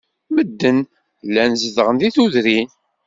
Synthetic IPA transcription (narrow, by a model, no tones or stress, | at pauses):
məd̪ːən | lːænzəðʁənðiθuðɾin